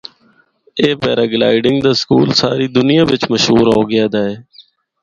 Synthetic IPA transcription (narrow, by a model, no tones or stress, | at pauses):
eːpɛ̰ːɾaːɡla̰ːɪɖɪŋɡd̪aːskuːlsaːɾiːd̪ʊnɪjãːʋɪt͡ʃməʃɦuːɾɦoːɡɪjaːd̪aːeː